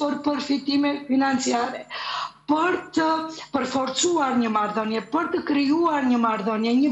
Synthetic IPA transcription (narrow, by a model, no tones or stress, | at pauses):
pəɾpəɾfit̪imɛfinant͡siaɾɛpəɾt̪əpəɾfɔɾt͡suaɾɲəmaɾðɔnjɛpəɾt̪əkɾiuaɾɲəmaɾðɔnjɛɲə